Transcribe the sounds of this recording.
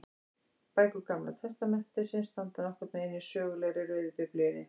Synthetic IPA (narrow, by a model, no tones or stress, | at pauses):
paːjkʏkamlat̪ʰɛst̪amɛn̥t̪ɪsɪnst̪ant̪anɔhkvɛɾt̪naɪnːi̥sœːɣʏlɛɣɾɪɾœɥðɪpɪplʏjɪnɪ